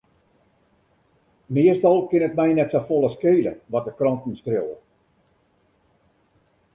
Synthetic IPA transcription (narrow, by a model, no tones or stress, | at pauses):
mɪəstɔlˠkɪnətmɛjnɛtsofolˠəskeːlə̰ʋɔt̚dəkrɔntn̩skrowə̰